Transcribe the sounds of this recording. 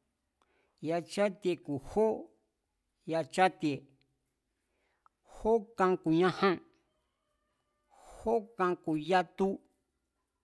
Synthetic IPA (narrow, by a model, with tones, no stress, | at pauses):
ja˧t͡ʃa˦t̪i˧e˧ku˨ho˦ | ja˧t͡ʃa˦t̪i˧e˨ | ho˦kã˧ku˨ɲã˧hã˦ | ho˦kã˧ku˨ja˦t̪u˦